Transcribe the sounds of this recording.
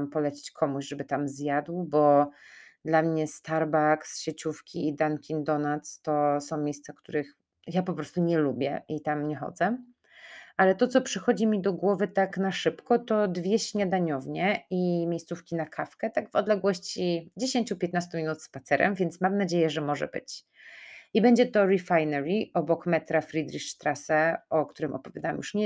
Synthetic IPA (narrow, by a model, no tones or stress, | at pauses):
mpɔlɛt͡ɕe̥t͡ɕkʰɔmuʑʐɛbɘt̪amzjad̪wbɔ | d̪lamɲɛst̪aɾbaksɕet͡ɕufkʲiid̪ankʲind̪ɔnat̪st̪ɔsɔ̃w̃mʲejst̪safk̚t̪uɾɘx | japɔpɾɔst̪uɲɛlubʲjɛ̰ʔit̪amɲɛxɔ̰d̪zɛ | ʔalɛt̪ɔt̪sɔpʂɘxɔd͡ʑimʲid̪ɔɡwɔvɘt̪aknaʂɘpkɔt̪ɔd̪vʲjɛɕɲad̪aɲɔvɲɛimʲejst̪sufkʲinakʰafkɛt̪aɡvɔd̪lɛɡwɔɕt͡ɕid͡ʑeɕeɲt͡ɕupʲjɛt̪nast̪umʲinut̪spat̪sɛɾʔɛ̰mvʲjɛnt̪smamnad͡ʑejɛʐɛmɔʐɛ̰bɘ̰t͡ɕ | ʔibɛɲd͡ʑɛt̪ɔɾɛfajnɛɾiʔɔbɔkmɛt̪ɾafɾid̪ɾiʂt̪ɾasɛɔkt̪uɾɘmʔɔ̰pɔvʲjad̪awɛ̰mjuʂɲɛ